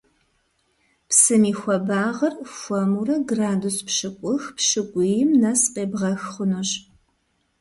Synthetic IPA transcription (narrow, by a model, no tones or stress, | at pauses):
psɨmiːxʷɔbaːʁɐrfʷɐmurɐɡraːduspʃɨkʷʼʊxpʃɨkʷʼʊjɪmnɐsqʼeːbʁɐxχʷʊnoɕ